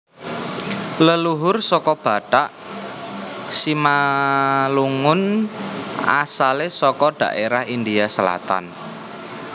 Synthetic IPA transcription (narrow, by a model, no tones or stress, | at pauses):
ləluɦʊrsɔkɔb̥a̤ɖ̥aʔ | sima | luŋʊn | a̰salesɔkɔɖ̥a̤̰ʔeɾahind̪iasəla̰t̪a̰n